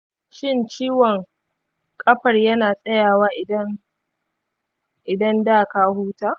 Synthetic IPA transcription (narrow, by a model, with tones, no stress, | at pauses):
ʃɪ˦nt͡ʃiː˦wɔ˨ŋ | kʼɐ˦ɸɐ˨rjɐ˦naː˨sʼɐ˦jaː˨waː˦ʔɪ˨dɐ˦n | ʔɪ˨dɐ˦ndaː˦˨kaː˦huː˦taː˦˨